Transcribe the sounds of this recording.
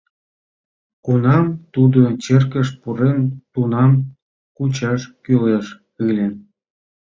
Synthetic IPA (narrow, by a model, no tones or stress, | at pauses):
kunɑmt̪ud̪ot͡ɕerkəʃpuɾent̪unɑm | kut͡ɕɑʃkyleʃ | ɯlʲe